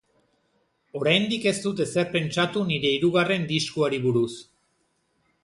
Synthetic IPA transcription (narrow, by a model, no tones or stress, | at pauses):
o̞ɾajnd̪ike̞st̪ut̪̬eseɾpe̞nt͡ʃat̪uniɾe̞iɾuɣare̞nd̪iskuaɾiβuɾus